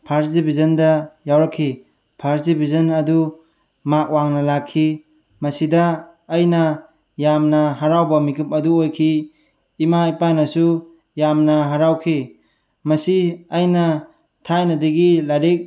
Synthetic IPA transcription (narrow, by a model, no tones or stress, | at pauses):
pʰaɾzibizɐndɐjawɾakʰːi | pʰaɾzibʱizɐnɐdu | mak̚waŋnɐlakʰːi | mɐsidɐː | jnɐ | jamnɐɦaɾawbɐmikɯp̚ɐduojkʰiː | maipanɐsu | jamnɐɦaɾawkʰi | mɐsiɐjnɐ | tʰajnɐdiɡilaɾik̚